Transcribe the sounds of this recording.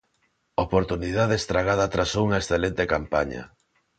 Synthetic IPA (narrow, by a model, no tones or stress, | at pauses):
opoɾt̪uniðaðest̪ɾaɣað̞at̪ɾasouŋɐesθelent̪ekampaɲɐ̰